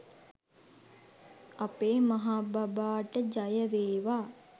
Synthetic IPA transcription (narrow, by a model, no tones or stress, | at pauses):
apeːmaɦaːbabaːʈəd͡ʒajəʋeːʋaː